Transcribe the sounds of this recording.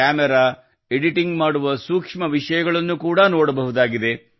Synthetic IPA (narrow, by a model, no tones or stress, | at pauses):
aːmɛɾaː | eɽiʈiŋɡmaːɽuʋɐsuːkʂmɐʋiʂɐjɐɡɐɭɐnːukuːɽɐnoːɽɐbɐɦud̪aːɡid̪e̞